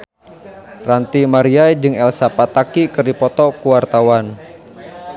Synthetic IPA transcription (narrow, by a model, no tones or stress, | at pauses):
rant̪imaɾiajd͡ʒɨŋɛlsapat̪akikɨrdipɔt̪ɔkuwart̪awan